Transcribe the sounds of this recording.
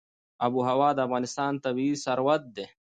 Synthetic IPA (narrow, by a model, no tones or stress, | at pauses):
ɐbuɦɐwaːd̪əafɣaːnɪst̪aːnt̪ɐβiːsɐɾwɐt̪̚d̪e